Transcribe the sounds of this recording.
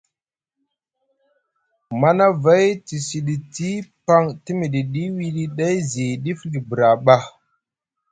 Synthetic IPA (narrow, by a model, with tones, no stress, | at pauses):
ma˦na˦va˦jti˨si˨ɗi˨ti˦pa˦ŋti˦mi˨ɗi˨ɗi˦wi˦ɗi˦ɗa˦jzi˨ɗi˦fɗi˨bɾa˨ɓa˦˨